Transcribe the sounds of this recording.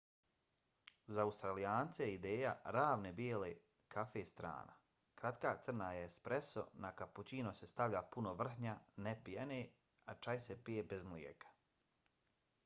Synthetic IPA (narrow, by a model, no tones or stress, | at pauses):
zaːust̪ɾalijaːnt̪sejeid̪eːja̰ɾaːʋnebjeːle | kʰafest̪ɾa̰ːna̰ | kɾat̪kaːt̪sɨr̩najespɾeso̰nakaput͡ɕiːnosest̪aʋʎapunoʋr̩ɦɲanepijene | at͡ʃajsepijebezmljḛkʰḁ